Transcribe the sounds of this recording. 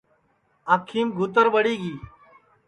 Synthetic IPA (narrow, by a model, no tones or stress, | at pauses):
akʰːiːmɡʱuːt̪̬əɾʋəɽiːɡiː